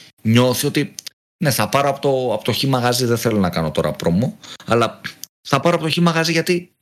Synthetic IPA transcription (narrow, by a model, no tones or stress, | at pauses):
ɲo̞θio̞t̪i | ne̞θɐpɐɾoɐpot̪oɐpot̪oçimɐɣɐziðeθe̞lonɐkɐno̞t̪o̞ɾɐ̰pɾo̞muɐlɐ | θɐpɐɾo̞ɐpo̞t̪oçimɐɣɐziʝɐt̪i